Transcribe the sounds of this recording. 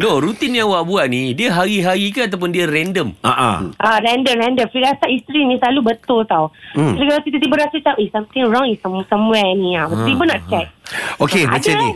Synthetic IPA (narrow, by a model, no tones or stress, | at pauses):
noɾut̪inːiãŋwaʔbuaʔ̚nidiəɦaɾiɦaɾikaat̪̬ap̬ʊndiəɾɛndəma̰ʔa̰ʔaɾɛ̃ndəmɾɛ̃ndəmfliɾasaist̪ɾinĩsəlalubət̪ʊlt̪awlikalak̪it̪ət̪̬ibəɾasat͡ʃaʔisãmt̪ɪ̃ŋɹɔ̃ŋisəmsə̃mwɛnĩaət̪ibənaʔ̚t͡ʃɛk̚okemat͡ʃani